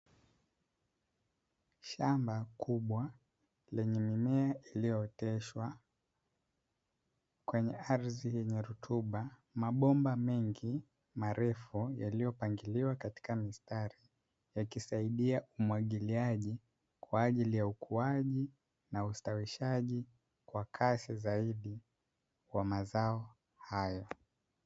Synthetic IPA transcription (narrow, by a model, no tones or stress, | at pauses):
ʃambakʰuɓwa | lɛɲɛmimɛaʔilijɔtɛʃwa | kwɛɲɛaɾzijɛɲɛɾutʰuɓamaɓɔmbamɛŋɡi | maɾɛfujalijɔpaŋɡiliwakati̥kamistaɾi | jakisaiɗiaʔumuwaɠiliaʄi | kwaːʄilijaukʰuaʄi | naustawiʃaʄi | kwakʰasizaiɗi | wamazaɔ | hajɔ